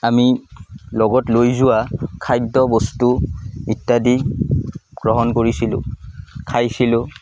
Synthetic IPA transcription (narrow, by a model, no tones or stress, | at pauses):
amilɔɡɔtlojzʊwakʰajdɔbɔstumitːadi | ɡ̥ɹɔɦɔnkoɹisilʊ̰̃kʰajsilʊ̃